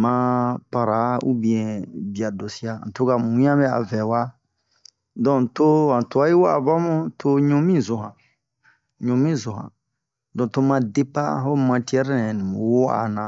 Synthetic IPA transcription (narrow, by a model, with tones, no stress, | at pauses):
mã˦pa˨ɾa˨˦ṵ˦bĩ˨ɛ̃˨bi˨a˨do˨si˦a˨ã̰˨to˦ka˨mũ˨˦ã˦bɛ˦a̰˨vɛ˨wa˦ | dɔ̃˨to˦ã˨to˨a˦ji˦wo˦a̰˨ba˦mũ˦to˦ɲũ˦mĩ˦˨zo˨ɦã˨ | ɲõ˨mĩ˦˨zo˨ɦã̰˨ | dɔ̃˨to˦mã˧de˦pa̰˦ɦo˦mã˧ti˦ɛ˦ɾɛ˦nɛ̃˨nĩ˨mũ˨wo˦a̰˨nã˨